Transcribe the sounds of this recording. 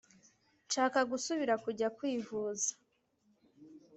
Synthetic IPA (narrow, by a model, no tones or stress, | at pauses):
nʃaːkaɡusuβiɾakuɾɟakwiːvuːzḁ